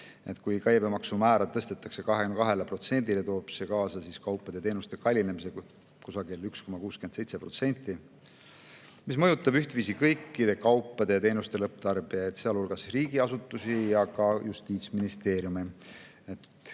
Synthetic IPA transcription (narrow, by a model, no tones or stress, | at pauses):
e̞̰t̪ˑkujkæjbe̞mɑksumæːɾɑd̪t̪ɤst̪e̞t̪ːˑɑkse̞kɑɦekynkɑɦe̞lepro̞t̪se̞nʲd̪ile̞t̪o̞ːb̥se̞kɑːsɑsiskɑwpːˑɑd̪̥e̞t̪e̞ːnust̪e̞kɑlʲːinemise̞ | kusɑɡilyksko̞mɑkuːskyend̪sejt̪se̞pro̞̰t̪se̞nʲt̪ˑːi | mismɤjut̪ːˑɑbyht̪viːs̬ikɤjkːˑid̪̥e̞kɑwpːˑɑd̪̥e̞t̪e̞ːnust̪e̞lɤp̚ːd̪̥ɑrb̥iɑjet̪seɑlulɡ̥ɑsriːɡ̥iɑsut̪ːˑusijɑkɑjust̪iːt̪sminist̪e̞ːɾjumi | et̪